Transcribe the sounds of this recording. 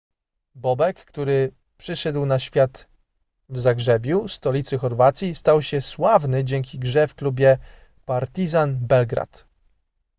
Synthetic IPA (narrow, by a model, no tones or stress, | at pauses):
bɔbɛkːt̪uɾɘ | pʂɘʂɛd̪wnaɕfʲjat̪ | vzaɡʐɛbʲjust̪ɔlʲit̪sɘxɔɾvat̪sʲist̪awɕɛswavnɘd͡ʑɛŋkʲiɡʐɛfklubʲjɛ | paɾt̪izanbɛlɡɾa̰t̪